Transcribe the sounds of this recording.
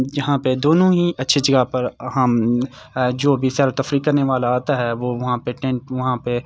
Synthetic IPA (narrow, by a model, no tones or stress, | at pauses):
jɐɦãped̪oːnõɦiʔɐtːʃʰid͡ʒɐɡapɐɾɦɐm | d͡ʒoːbʱisjaːɾot̪ɐfɾiːkːɐɾneʋaːlaaːt̪aɦɛʋoːʋɐɦãpeʈɛ̃ɳʈʋɐɦãpe